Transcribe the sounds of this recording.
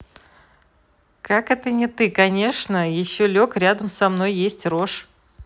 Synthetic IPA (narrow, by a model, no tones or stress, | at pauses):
kakɛt̪ənʲɪt̪ɨkɐnʲe̞ʂnəjɪɕːolʲokɾʲad̪əmsɐmno̞jːesʲtʲro̞ʂ